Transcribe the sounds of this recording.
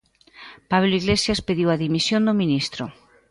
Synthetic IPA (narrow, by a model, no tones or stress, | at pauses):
paβloiɣlesjaspeðiwaðimisjond̪omĩnist̪ɾo